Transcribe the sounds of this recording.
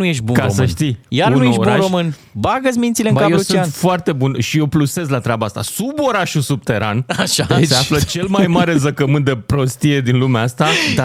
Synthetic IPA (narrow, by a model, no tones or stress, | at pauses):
ujeʃ̬̚bukaomsəʃt̪ijanunuj̪eʃoɾbuuanɾʃomɨn | baɡəs̬mint̪sileŋbakajeust͡ʃuianfoart̪e̞bunʃijewpluse̞zlat̪ɾʲabaast̪a̰subo̞ɾaʃusub̚t̪e̞ɾa̰naʃaseaflət͡ʃe̞lmajmaɾe̞zəkəmɨnt̪d̪e̞pɾo̞st̪ije̞d̪inlumeast̪ad̪a